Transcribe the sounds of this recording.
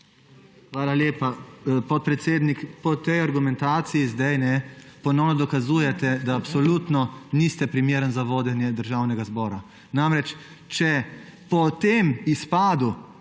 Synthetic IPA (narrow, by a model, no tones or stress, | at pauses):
xʋaːlaljeːpapɔt̪̚pɾɛt̪seːd̪nikpɔt̪ɛjaɾɡumɛnt̪aːt̪sijizd̪ajnɛpɔnɔwnɔd̪ɔkazuːjɛt̪ɛd̪aːpsɔlut̪nɔnist̪ɛpɾimjeːɾənzaʋoːd̪ɛnjɛd̪əɾʒawnɛɡazbɔːɾa | namɾɛt͡ʃ | t͡ʃɛpɔt̪emispaːd̪u